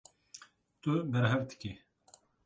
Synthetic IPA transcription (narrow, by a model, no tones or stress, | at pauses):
t̪ubɛɾɦɛvd̪ɨ̥ki